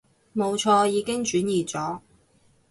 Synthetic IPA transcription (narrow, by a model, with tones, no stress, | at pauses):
mo˨˧wt͡ʃʰɔː˧jiː˨˧kɪ˥ŋt͡ʃyː˨˥njiː˨t͡sɔː˨˥